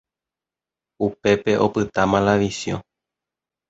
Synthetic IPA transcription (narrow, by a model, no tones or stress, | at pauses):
upe̞pe̞ʔo̞pɨt̪amãlaʋisjõ̰